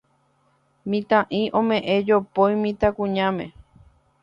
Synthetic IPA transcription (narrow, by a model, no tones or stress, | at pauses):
mĩt̪ãʔĩʔõmẽʔẽd͡ʒopojmĩt̪akũɲãmẽ